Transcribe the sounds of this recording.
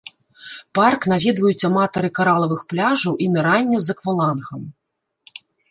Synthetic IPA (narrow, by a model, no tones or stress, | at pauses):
parknavʲid̪vɐjut͡sʲːɐmat̪ɐɾɨkaɾalˠɐvɨxplʲaʐɐwʔimɛɾanʲːɐzɐkvɐlˠanxɐm